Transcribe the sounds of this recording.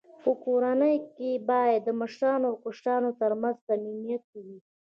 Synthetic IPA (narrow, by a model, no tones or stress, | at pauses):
pəkoɾanəjkebɑjad̪ːəməʃɾɑnoawkʊʂʈɑnot̪əɾmanzt̪aminijat̪̚kawi